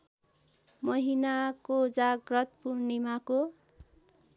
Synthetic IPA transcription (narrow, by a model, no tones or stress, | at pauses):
mʌɦinakod͡zaɡrʌt̪purnimako